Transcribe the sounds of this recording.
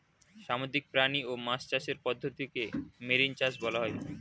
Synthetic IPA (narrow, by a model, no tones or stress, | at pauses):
ʃamod̪ɾik̚pɾaniomast͡ɕaʃeɾpɔd̪ʱːot̪ikemeɾint͡ɕasbɔlaɦɔe